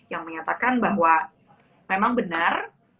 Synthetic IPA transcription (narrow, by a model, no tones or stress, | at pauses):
jaŋməɲat̪akanbaɦwa | memaŋbənar